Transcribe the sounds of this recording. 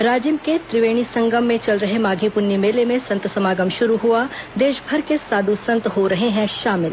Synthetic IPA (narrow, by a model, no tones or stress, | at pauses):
ɾaːd͡ʒimket̪ɾɪʋeːɽ̃isɐ̃ŋɡəmːẽt͡ʃɐlɾɐɦemaːɡʱipʊɾnimeːlemẽsɐ̃nt̪sɐmaːɡəmʃʊɾuɦuad̪eːʃbʱɐɾkesaːd̪usɐ̃nt̪ɦoɾɐɦeɦɛ̃ʃaːmɪl